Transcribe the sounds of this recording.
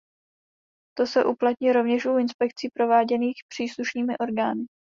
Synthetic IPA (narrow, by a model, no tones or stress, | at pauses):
t̪o̞sɛʔuplat̪ɲiɾo̞vɲɛʃuɪnspɛk̚t͡siːpɾo̞vaːɟɛniːxpr̝̥iːsluʃniːmɪʔo̞ɾɡaːnɪ